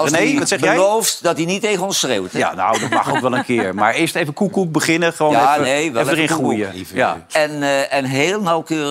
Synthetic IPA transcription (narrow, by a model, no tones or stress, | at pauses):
lˠssɛbəjɛjlowftdɑtdinitːejχənɔnsrewtja̰nowdɑtmɑ̰χowkʋɛlənkɪːɹma̰ːɹɪːɹstejvəkukubəχɪnəχəʋoːnejʋɛəɪ̃nχrujəja̰ɛnɛnɦeːlˠnawkøːrə